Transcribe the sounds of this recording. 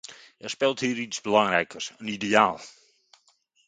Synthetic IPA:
ɛrspɪlˠthiːɾitsbəlɑŋrɛjkərsənideaːlˠ

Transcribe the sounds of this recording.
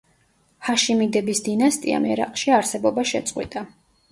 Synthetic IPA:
haʃimid̪ɛbisd̪inast̪ʼḭa̰mɛɾa̰qʼʃiaɾsɛbɔbaʃɛ̰t̪sʼqʼwḭt̪ʼa

